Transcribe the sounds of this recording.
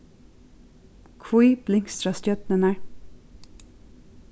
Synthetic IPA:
kʰvuiːb̥lɪŋst̪ɾɑst̪œt̪nənæ

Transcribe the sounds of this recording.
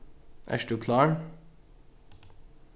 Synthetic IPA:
ʔæ̰ːʃɖʉːkʰlɑːɳ

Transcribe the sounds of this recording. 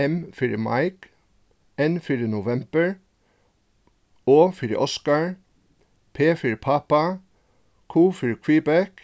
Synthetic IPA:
ɛmfiɾəmɑ̰ɪk | enfʏɹənʊʋɛmbəɹ | oːfʏɾə̰ʔɔskɑɹ | pʰeːfiɹpʰɑpɑ | kʰuːfʏɹkʰʋiːbæk

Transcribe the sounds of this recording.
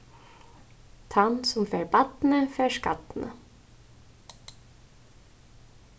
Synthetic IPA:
t̪ʰɑnsʊmfeːɹbɑt̪n̩əfeːʂkɑ̰t̪nə̰

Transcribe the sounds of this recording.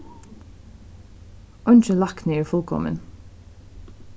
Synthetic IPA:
ɔnçəlɑknɪːɹfʊlkʰɔ̰mə̰n

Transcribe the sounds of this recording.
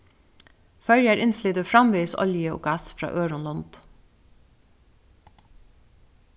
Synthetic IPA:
fœɹjæɾʔɪnflyːd̪əfɹɑmʋiːsɔ̰ljəo̰ːɡɑsfɾɑ̰ːʔøːɹʊnlɔnd̪̥

